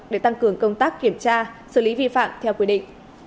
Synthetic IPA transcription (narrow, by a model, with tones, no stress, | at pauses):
ɗe˧˩t̪a˧ŋkɨ˨˩əŋkə˧wŋ͡mt̪aː˦˥kːi˧˩əmt͡ɕaː˧sɨː˧˩li˨˦vḭ˧˨fa̰ː˧˨mt̪ʰɛ˧wkwi˧˩ɗḭ˧˨ŋ̟